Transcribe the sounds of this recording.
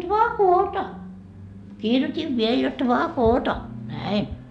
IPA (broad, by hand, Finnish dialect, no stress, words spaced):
dʋɑː koːtɑ kirjotʲiʋ ʋiel jot dʋɑː koːtɑ næin